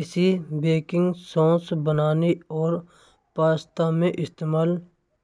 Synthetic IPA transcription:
ɪsibeːkɪ̃ŋɡsõːsbənaːniɔːɾ | paːst̪amẽʔɪst̪eːmaːl

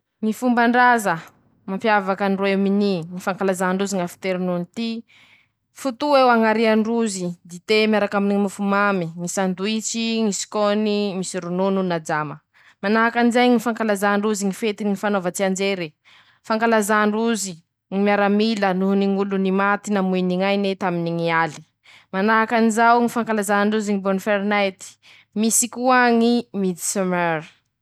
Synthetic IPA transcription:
ŋifumbaɳɖ͡ʐazə | mampjavakəniroewminiŋifaŋkalazaɳɖ͡ʐuziŋafi̥t̪eɾinunit̪i | fut̪uewaŋaɾiaɳɖ͡ʐuzid̪it̪emiaɾakaminiimufumamimisand̪uit͡siŋisi̥konimisiɾunununad͡ʒamə | manaakanizajŋifaŋkalazaɳɖ͡ʐuziŋifet̪inŋifanovət͡siand͡ʒeɾe | faŋkalazaɳɖ͡ʐuzi | ŋimiaɾamilənuniŋulunimat̪inamujniŋajnet̪aminiŋiali̥ | manaɦakanizawŋifaŋkalazaɳɖ͡ʐuziŋibonfeɾnajt̪i̥ | misikuaŋimid̪isemɛɾ

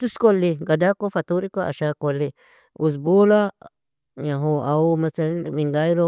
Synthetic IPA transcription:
t̪uskolːiɡad̪akofat̪uɾikoa̰ʃakoli | us̬bula | ɲãɦoamasalanmiŋɡajɾo

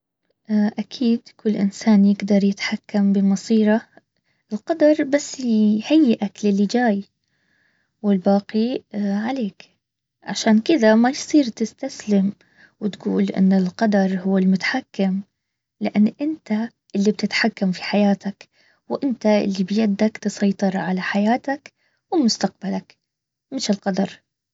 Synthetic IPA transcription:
ʔaʔakʰiːd̪kʰʊlːʔɪ̰nsaːnjɪɡd̪ɑɾˤjɪt̪ħakːambɪmɑsˤiːɾˤɑ | ʔɪlqɑd̪ɑɾˤbasːhajːɪʔaklɪlːɪd͡ʒaːj | wɪlbaːqiʕaleːk | ʕa̰ʃaːnkɪd̪amajsˤiːɾt̪ɪst̪aslɪm | wɪt̪ɡuːlʔɪ̰nːɪlqɑd̪ɑɾˤhʊwːɪlmʊt̪ḁħakːɪm | lɪʔanːʔɪnt̪a | ʔɪlːib̚t̪ɪt̪ħakːamfi̥ħajaːt̪ak | wʔɪnt̪aʔɪ̰lːibjad̪ːakt̪ɨsˤɑjt̪ˤɨɾˤʕalaħajaːt̪ak | wɪlmʊst̪aq̚balak | mɪʃɪlqɑd̪ɑɾˤ

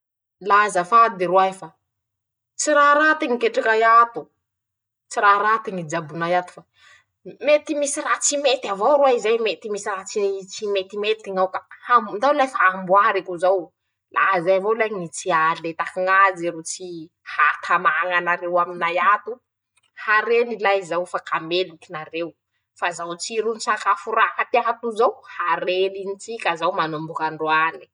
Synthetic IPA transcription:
lazəfad̪eɾuaefa | t͡siɾaɾat̪iŋikeʈ͡ʂakajat̪u | t͡siɾaɾat̪iŋid͡ʒabunajat̪u̥fa | met̪imisirat͡simet̪avowɾuaizajmet̪imisirat͡sit͡simet̪imet̪iŋawkahamnd̪awlafaambuaɾikuzaw | lʔa̰zajavolajnit͡sialet̪akiŋaziɾut͡si | hat̪ʰamaŋanaɾewaminajat̪u | haɾenilaizawfakamelukinarew | fazawt͡siɾunisakafuɾakat̪iaɦat̪uzawhaɾelinit͡sikʲazawmanumbukaɳɖ͡ʐwani̥

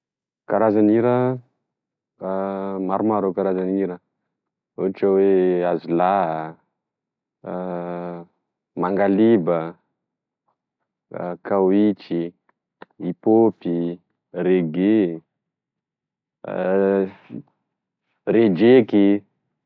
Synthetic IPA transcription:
kaɾazaniɾə | maɾumaɾokaɾazaniɾə | uʈ͡ʂəweazila | maŋɡalibə | kawit͡ʃi | ipopi | ɾeɡe | red͡ʒeki

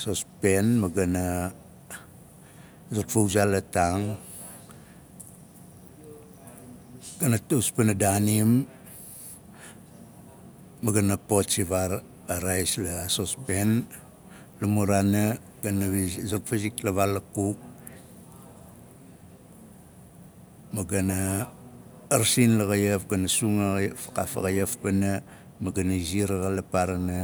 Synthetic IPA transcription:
sospenmaɡana | zotfowzalataŋ | ɡ̥anatuspenadanim | aɡanapott͡ʃiβaɾ | aɾajslasospen | lumuɾana | ɡanaβzokfaziklaβalakuk̚ | maɡanaː | ɾsinlaɣajefɡanasuŋfḁkafa̰ɣajafpana | maɡanaiziɾaɣalapaɾana

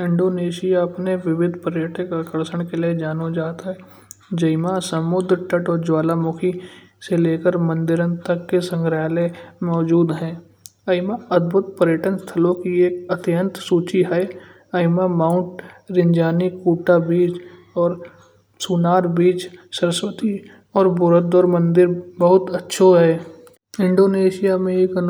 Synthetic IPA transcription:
ɪ̃ɳɖoːneːʃɪjaɐpneʋɪʋɪd̪ʱpəɾjəʈə̃kakəɾsəɽ̃kelied͡ʒaːnod͡ʒaːt̪aɦɛ | d͡ʒəɪmasəmʊd̪ɾʈəʈɔːɾd͡ʒwaːlamʊkʰi | seleːkəɾmə̃nd̪ɪɾə̃nt̪əkːesə̃ŋɡɾaːlemɔːd͡ʒuːd̪ɦɛ̃ː | əɪmaəd̪̚bʱʊt̪̚pəɾjəʈənst̪ʰəlõkieːkət̪ɪjə̃nt̪suːt͡ʃiɦɛ | ɐɪmamaːʊ̃ɳʈɾɪ̃ɲd͡ʒaːnikuːʈabiːt͡ʃ | ɔːɾ | suːnaːɾbiːt͡ʃsəɾəswət̪i | ɔːɾbʊɾət̪ɔːɾmə̃nd̪ɪɾbəɦʊt̪ətːʃʰoɦɛ | ɪ̃ɳɖoːneːʃijamẽeːkən

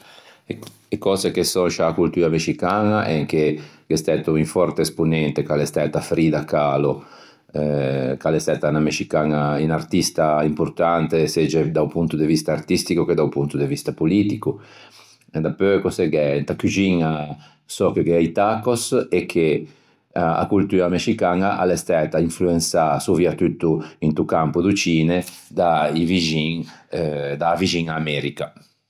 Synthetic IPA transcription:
ekɔːzekesɔnʃaːkult̪uːɾameʃikaːnaʔɛŋk̟eɡest̪ɛt̪oiɱfɔɾt̪eːspunɛnt̪ekalest̪ɛːt̪afɾiːd̪akːaːlo | ɛkalest̪ɛt̪anameʃikaːnainart̪ist̪aimpuɾt̪ant̪esed͡ʒed̪aupunt̪ud̪evist̪aːrt̪ist̪ikuked̪awpunt̪ud̪evist̪apolit̪iku | ɛd̪apːøkoseɡɛnt̪akud͡ʒiŋa | sɔkekeɛjt̪akosekʰːe | aa̰kult̪uːɾameʃikanaʔa̰lest̪ɛt̪aiɱfluensasuviat̪ut̪ːuint̪ukampud̪ut͡ʃiːned̪aiviʒiŋ | d̪avid͡ʒiŋaːmɛɾika

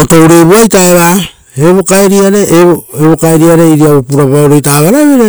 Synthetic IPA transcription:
oto̞wɾeβuajtaeβa | eβo̞kaeɾiaɾeoeβo̞kaeɾiaɾe̞iɾiaβopuɾapaoɾo̞jtaβaɾaβeɾe

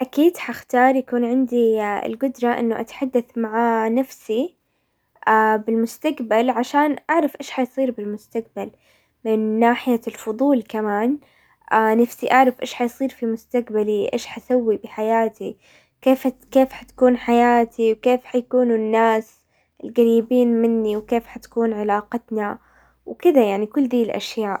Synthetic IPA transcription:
ʔakiːd̪ħaxt̪ɑːɾˤjakuːnʕɪnd̪iɪ̰lɡʊd̪ɾˤɑʔɪ̰nːʊʔa̰t̪ḁħad̪ːaθmaʕaːnafsi | ʔaːbɪlmʊst̪aqbalʕaʃaːnʔaʕɾˤɑfʔeːʃħajsˤiːɾbɪlmʊst̪aqbal | mɪnːaːħɪjalfʊðˤuːlkamaːn | ʔanafsiʔaʕɾˤɑfʔḛːʃħajsˤiːɾfimʊst̪aqbaliʔḛːʃħasawːibɪħajaːt̪i | keːfkeːfħḁt̪ḁkuːnħajaːt̪ʰiwkeːfħajakuːnunːaːs | ɪlɣaɾiːbiːnmɪnːiwkeːfħat̪ḁkuːnʕɪlaːqɑt̪na | wkɪd̪ajaʕnikʊlːd̪iːlʔa̰ʃjaːʔ

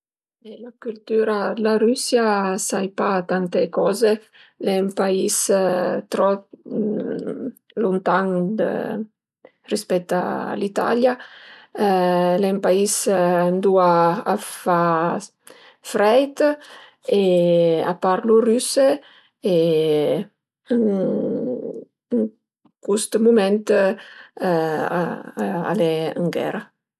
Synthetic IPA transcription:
elakylt̪yɾalaɾysjasajpat̪ant̪ekɔze | lɛmpaist̪ɾɔ | lunt̪aŋd̪ə̰ | rispɛt̪ːa̰lit̪a̰lja | lɛmpaisand̪uaːfa | fɾɛjt̪ | ea̰paɾluryse | e | əŋ | ŋ | kust̪mumɛnt̪ | a̰lɛə̰ŋɡɛ̰ɾa

